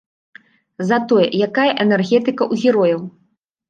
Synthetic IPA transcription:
zɐt̪ɔjɛ̰jakajɐʔɛnɛrɣʲɛt̪ɨkɐʔuɣʲiɾɔjɐw

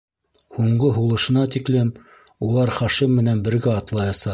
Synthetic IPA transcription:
huɴɢɤɦulˠɤ̆ʃɤ̆nɑt̪iklɘm | ulˠɑɾχɑʃimːɘ̆nænbɘ̆ɾɡæɑt̪lˠɑjɑsɑ

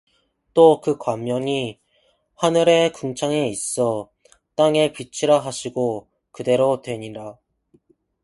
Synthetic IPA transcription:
t͈okɯkwamjʌŋi | hanɯɾe̞kɯŋt͡ɕʰaŋe̞is͈ʌ | t͈aŋe̞pit͡ɕʰiɾaɦaɕʰiɡo | kɯde̞ɾotwe̞ɲida

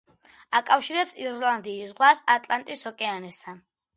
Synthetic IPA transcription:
akʼafʃiɾɛpsiɾland̪iːsʁwasat̪ʼlant̪ʼishɔkʼɛanɛst̪ʰan

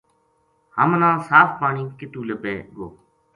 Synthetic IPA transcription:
həmnãːsaːfʰpaːɳiːkɪt̪ũːləpẽːɠoː

